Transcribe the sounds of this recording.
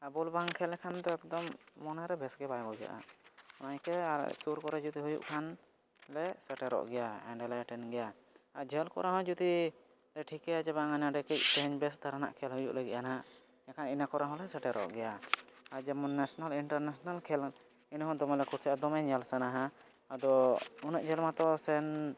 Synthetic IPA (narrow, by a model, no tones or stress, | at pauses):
abɔlbaŋkʰɛlɛkʰand̪ɔɛkd̪ɔmːɔnaɾɛbɛsɡɛbajbɔwd͡ʒa̰ʔa̰ɔnajkɛ̰suɾkɔɾɛd͡ʒut̪iɦujṵʔkʰan | lɛsɛʈɛɾɔ̰ʔɡɛjaɛɳɖɛlaaʈɛnɡɛja | aɾd͡ʒʱɛlkɔ̰ɾaɦɔ̃d͡ʒut̪i | ɾɛʈʰikɛad͡ʒɛbaŋanaɖɛkɛc̚t̪ɛɦɛɲbɛsd̪ʱaɾana̰ʔkʰɛlɦujṵʔlaɡɛ̰ʔ̚anaa | ɛkʰaninakɔɾaɦɔ̃lɛsɛʈɛɾɔ̰ʔɡɛjaaɾd͡ʒɛmɔnːɛsɔnaliɳʈaɾnasɔnalkʰɛl | inɦɔ̃d̪ɔmɛlɛkʰuɾsɛʔad̪ɔmɛɲalsanaɦa | ad̪ɔunəʔ̚d͡ʒɛlmat̪ɔsɛn